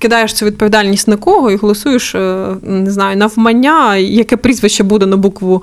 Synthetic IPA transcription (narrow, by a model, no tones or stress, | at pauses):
kɪd̪ɑjeʃt̪t͡s̪ʲɛʋʲid̪̚pɔʋʲid̪ɑlʲnʲisʲtʲnɐkɔɦɔiɦɔlˠɔsujɪʃ | nɪznɑjʊnɐʋmɐnʲːajɐkɛpɾʲizʋɪʃt͡ʃːɛbud̪ɛnɐbukʋʊ